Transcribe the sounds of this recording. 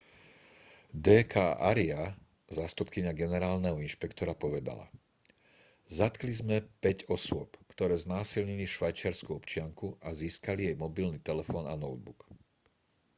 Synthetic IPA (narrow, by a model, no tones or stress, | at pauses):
d̪ɛːkʰaːʔaɾia | zaːst̪upkiɲaɡɛnɛɾaːlnɛɦɔinʃpɛkt̪ɔɾapɔʋɛd̪a̰la̰ | zat̪klizmɛpɛɟɔsʊɔpkt̪ɔɾɛːznaːsilɲiliʃʋajt͡ʃɪaɾskuɔpt͡ʃɪaŋkuʔaziːskalijɛjmɔbilniːt̪ɛlɛfɔːna̰nɔʊd̪̚buk